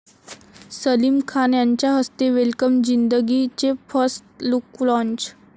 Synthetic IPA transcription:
səlimkʰanjaɲt͡ɕjaɦəst̪eʋelkəmd͡ʑind̪əɡit͡sefəsʈluklɔ̃ɲt͡ɕ

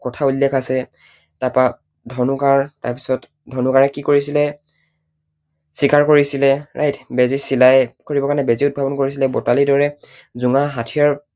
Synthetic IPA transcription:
kɔtʰaulːɛkʰasɛ | tapa | dʱɔnukaɹta̰ɹpi̥sɔt | dʱɔnukaɹɛkikoɹisilɛ | sikʰaɹkoɹisilɛɹʔajtʰbezisilajkoɹibɔkanɛbeziʊt̚bʱabɔnkoɹis̬ilɛbɔtalidɔɹɛ | zuŋaɦatʰijaɹ

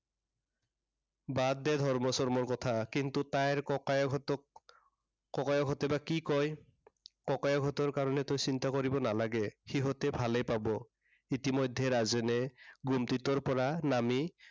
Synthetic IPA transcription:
badːɛd̪ʱɔɹmɔsɔɹmɔɹkɔt̪ʰakintutajɹɔat | kɔkajɔɡʱɔtɛbakikɔj | kɔkajɔɡʱɔtɔɹkaɹɔnɛtojsintakoɹibɔnalaɡɛxiɦɔtɛbʱalɛjpabɔ | itimɔjdʱːɛɹazɛnɛɡumtitɔɹpɔɹanami

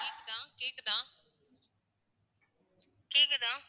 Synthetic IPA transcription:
eːkd̪ãːkeːkd̪ãː | keːkd̪ãː

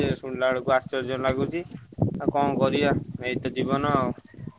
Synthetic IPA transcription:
esuɳlaɽukuast͡ʃɔɾd͡ʒɔnlaɡut͡ʃʰiakɔ̃kɔɾijaeit̪ɔd͡ʒibɔnɔaw

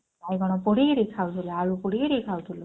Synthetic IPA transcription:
ajɡɔɽ̃ɔpɔɽeɾekʰawt̪ʰulɔaɭupuɽeɾekʰawt̪ʰulɔ

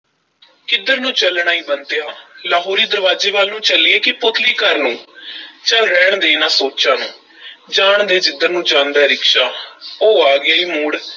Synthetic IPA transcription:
kɪd̪əɾnũːt͡ʃəlɳaːiːbənt̪ejaːlaːɦoːɾiːd̪əɾʋaːd͡ʒeːʋaːlnũːt͡ʃəlieːkɪpʊt̪ʰliːkəɾnũːt͡ʃəlɾɛːɳd̪eːnaːsoːt͡ʃãːnũː | d͡ʒaːɳd̪eːd͡ʒɪd̪əɾnũːd͡ʒãːnd̪ɛːɾɪkʃaːoːaːɡɪaːiːmuːɽ

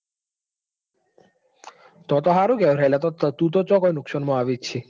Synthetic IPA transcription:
t̪ɔt̪ɔɦaɾuɡɛwɾɛjlat̪ɔt̪ʰːt̪ut̪̬ɔt͡ɕɔkɔjnukʃɔnmɔaʋit͡ɕʰi

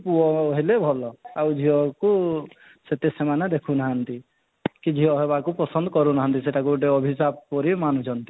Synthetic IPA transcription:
puɔɦelebʱɔlɔawd͡ʒʱiɔku | set̪esemanad̪ekʰunaɦant̪i | kid͡ʒʱiɦɔɦebakupɔsɔnd̪ɔkɔɾunaɦant̪iseʈakuʈeɔbʱisab̚pɔɾimanut͡ʃʰɔnt̪i̥

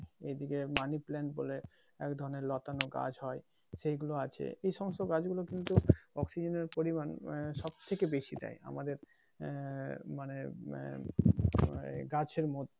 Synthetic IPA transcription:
ed̪ikemaniplɛɳʈbole | ɛkd̪ʱɔɾoneɾlɔt̪anoɡa̰d͡ʑʱɦɔe | ʃejɡuloat͡ɕʰḛejʃɔmost̪oɡad͡ʑɡulokint̪uɔksid͡ʑeneɾpoɾimanʃɔb̚t̪ʰekebeʃid̪a̰ja̰mad̪eɾ | mane | ɡad͡ʑeɾmot̪

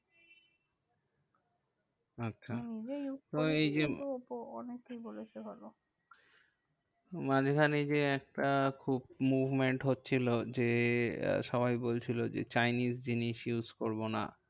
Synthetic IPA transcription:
atːɕʰanid͡ʑejut̪oejd͡ʑeopoɔnekejbolet͡ɕʰeɦɔlo | mad͡ʑekʰanejd͡ʑeɛk̚ʈakʰubmuvmeɳʈɦotːɕʰilod͡ʑe | ʃɔβajbolt͡ɕʰilod͡ʑḛt͡ɕajnisd͡ʑiniʃjuzkoɾbona̰

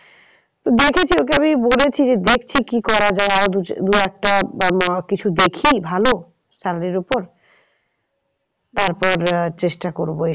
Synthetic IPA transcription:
t̪od̪ekʰet͡ɕʰiokeamibolet͡ɕʰid͡ʑed̪ek̚ʰt͡ɕʰikikɔɾad͡ʑaeaɾod̪ud̪uɛk̚ʈamkit͡ɕʰud̪ekʰibʱalo | ʃaɾaɾiɾopoɾ | t̪aɾpɔɾt͡ɕeʃʈakoɾboe

